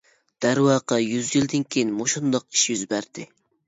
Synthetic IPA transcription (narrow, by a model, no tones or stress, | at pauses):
d̪̥æɾwɑːqɑjyzjild̪ɪnkʲʰejinmoʃund̪ɑq̚i̥ʃjyzbæɾd̪̥ɪ